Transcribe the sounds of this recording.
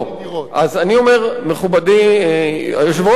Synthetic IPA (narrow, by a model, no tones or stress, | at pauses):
ʔazanio̞me̞ʁmeχubadi | joʃvo